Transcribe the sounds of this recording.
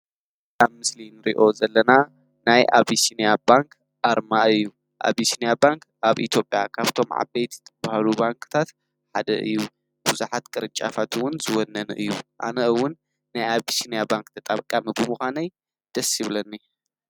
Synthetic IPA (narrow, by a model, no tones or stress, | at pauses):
aβmɨslinɨɾḭʔo̞zɐlːɐna | najʔa̰βisinijabaŋkʰ | ʔaɾmaɨjːu | ʔa̰βisinijabaŋk | ʔaβʔḭt̪ʰjo̞pʼjakʰaβt̪ʰo̞mʕa̰bejt̪zɨ̥t̪ʰɐbahalubaŋkʰɨ̥t̪ʰat̪ | ħad̪ɐ̰ʔɨ̰jːu | b̥uzuħat̪kʼɨɾɨnt͡ʃʼafʰat̪ʰɨwʊnzɨwɔnːɐnɨʔɨjːuʔa̰nɐɨwːʊnː | ajaβisinijabaŋkt̪ʰɐt̪ʼaβkʼːamibɨmuxʷanɐj | d̪̥ɐsiβlɐnːi